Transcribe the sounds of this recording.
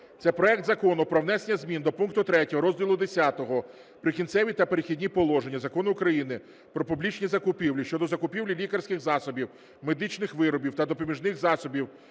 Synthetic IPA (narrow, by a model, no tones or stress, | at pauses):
t̪sɛpɾɔɛk̚t̪zɐkɔnʊpɾɔwnɛsenʲːɐzʲmʲind̪ɔpunkt̪ʊt̪ɾɛtʲɔɦɔɾɔzʲdʲilˠʊd̪esʲat̪ɔɦɔ | pɾɪkʲint̪sɛʋʲit̪ɐpeɾexʲidʲnʲipɔlˠɔʒe̞nʲːɐzɐkɔnʊːkɾɐjinɪ | pɾɔpʊblʲit͡ʃnʲizɐkʊpʲiwlʲiʃt͡ʃɔd̪ɔzɐkʊpʲiwlʲilʲikɐrsʲkɪxzɑsɔbʲiw | med̪ɪt͡ʃnɪxʋɪɾɔbʲiwt̪ɐd̪ɔpɔmʲiʒnɪxzɑsɔbʲiw